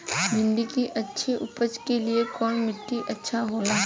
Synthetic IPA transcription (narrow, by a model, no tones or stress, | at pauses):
mɪ̃nɖikiʔɐtːʃʰeʔʊpət͡ʃkeliekɔːnmɪʈːiʔɐtːʃʰaɦoːlaː